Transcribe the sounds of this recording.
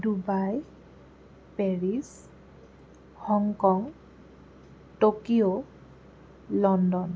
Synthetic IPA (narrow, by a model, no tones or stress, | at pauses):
dubaj | peɹis | hɔŋkɔŋ | tokio | lɔndɔn